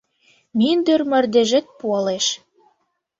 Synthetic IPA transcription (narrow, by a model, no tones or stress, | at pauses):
mind̪ørmə̆rd̪eʒɘ̆t̪̚puɑleʃ